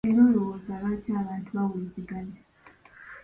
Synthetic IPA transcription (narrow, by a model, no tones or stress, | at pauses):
eɾo̞ːlo̞wozaːβacaːβaːntuawiːziɡale